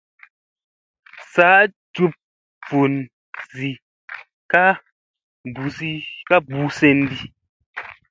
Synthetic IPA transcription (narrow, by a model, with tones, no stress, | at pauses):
sa˨˦ʔ | tu˦p̚ | b͡vu˨n | zi˨ | ka˦ | bu˨˦si˦ka˦bu˦se˦n˦di˦